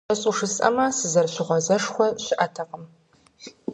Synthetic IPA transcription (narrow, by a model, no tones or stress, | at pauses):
ɐɕʼuʂɨsʼɐ̰masɨzɐrɕɪʁʷɔzɐʂxʷɔɕɪʔɐtʰɐqəm